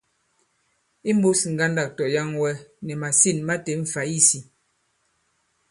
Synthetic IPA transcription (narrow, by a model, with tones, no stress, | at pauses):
i˦m̩˦bu˦si˨ŋ̩˨ɡa˦nda˦˨k̚tɔ˨ja˦ŋwɛ˦nɛ˨ma˨si˦˨nma˦te˨ɱ̩˨fa˨˦i˦si˨